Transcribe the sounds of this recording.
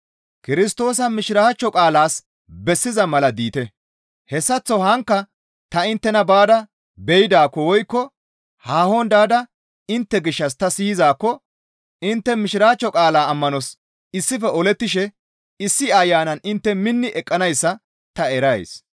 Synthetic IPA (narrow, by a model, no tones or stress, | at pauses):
kɪɾɪst̪o̞ːs̬ɐmɪʃɪɾaːt͡ʃːɔkʼaːlaːs | bɛsːɪzɐmɐlɐd̪iːt̪ɛ | hɛsːɐt͡sːɔhɐŋkːɐ | t̪ɐɪnt̪ːɛnɐbaːd̪ɐ | bɛjɪd̪aːkːɔwɔjkːɔ | haːhond̪aːd̪ɐ | ɪnt̪ːɛɡɪʃːɐst̪ɐsiːzaːkːɔ | ɪnt̪ːɛmɪʃɪɾaːt͡ʃːɔkʼaːlaːɐmːɐnɔs | ɪsːɪfɛɔlɛt̪ːɪʃɛ | ɪsːɪajːaːnɐnɪnt̪ːɛmɪnːɪʔɛkʼːɐnɐjsːɐ | t̪ɐɛɾɐḛs